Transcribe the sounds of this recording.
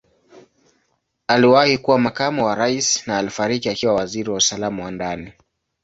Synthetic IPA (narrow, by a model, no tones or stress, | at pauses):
aliwahikuwamakamɔwaɾaisnaːlifaɾikiakiwawaziɾiwausalamawandani